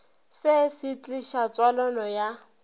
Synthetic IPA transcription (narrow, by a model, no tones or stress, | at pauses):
sɪsit͡ɬʼiʃat͡sʼwalɔnɔja